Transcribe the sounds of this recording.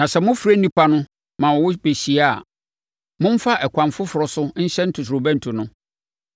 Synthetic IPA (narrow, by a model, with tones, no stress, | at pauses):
nã˨sɛ˨mʊ̃˦fu˨ɾe˦n̩˦ĩ˦pʰa˦nʊ̃˦ | mã˨wɔ˨wʊ˦be˨ɕi˨a˦˨ | mʊ̃˦m̩˦fa˦ʔɛ˨kʰʷã˨mfʊ˦fʊ˨ɾɔ˨sʊ˦n̩˦ɕɛ˦n̩˦tʰʊ˨s̬ɾo˨bæ̃˦n̩˨tʰu˨nʊ̃˦